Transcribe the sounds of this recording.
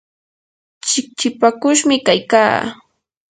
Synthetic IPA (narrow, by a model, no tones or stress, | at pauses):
t͡ʃɪk̚t͡ʃɪpakʊʃmɪkajka̰ː